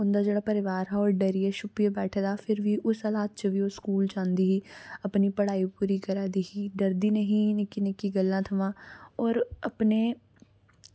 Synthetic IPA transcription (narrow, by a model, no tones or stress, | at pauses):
ʊnd̪aːd͡ʒeːɽaːpəɾɪʋaːɾɦɛːɔːɾɖəɾiːɛːʃʊpijebɛːʈʰːd̪aːpʰɪɾʋiːʔʊsəlaːt̪̚t͡ʃəʋiːoːskuːlt͡ʃãːnd̪iːɦiːəpniːpəɽaːiːpuːɾiːkəɾaːd̪iːɦiːd̪əɾd̪iːnəɦĩːnɪkːinɪkːiːɡəlːãːt̪ʰəʋãːɔːɾəpneː